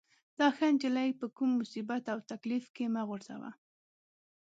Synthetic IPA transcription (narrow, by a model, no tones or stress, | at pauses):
d̪̥ɑxand͡ʒɪlajpəkumːʊsibat̪awt̪aklifkemaɣʊɾz̥a̰wa̰